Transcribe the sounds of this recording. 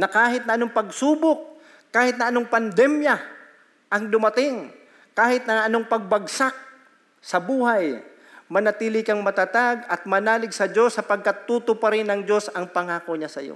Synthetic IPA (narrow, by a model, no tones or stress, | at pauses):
nɐkaːɦɪt̪nɐʔɐnoŋpɐɡsuːbok̚ | kːaːhɪt̪̚nɐʔɐnoŋpɐnd̪ɛmjɐ | ʔɐŋd̪ʊmɐt̪ɪŋ | kaːhɪt̪̚nɐŋʔɐno̞ŋpɐɡ̚bɐɡsak̚ | sɐbuːhaj | mɐnɐt̪iːlɪkɐŋmɐt̪at̪aɡɐt̪̚mɐnaːlɪɡ̚sɐd͡ʒo̞sːɐpɐɡ̚kat̪ːuːt̪opɐɾɪnɐŋd͡ʒo̞sɐŋpɐŋaːkoɲasɐ̰jo̰